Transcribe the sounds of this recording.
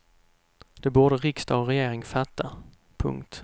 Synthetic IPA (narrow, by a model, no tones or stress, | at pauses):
d̪̥ɛbuːɖ̪əɾɪkst̪ɑːɾɛjeːɾɪŋfat̪ːa | pʰɵ̰ŋkt̪